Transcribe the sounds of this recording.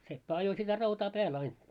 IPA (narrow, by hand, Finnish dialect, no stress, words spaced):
sepːæ ɑjo sitæ rɑutɑː pæːl ɑin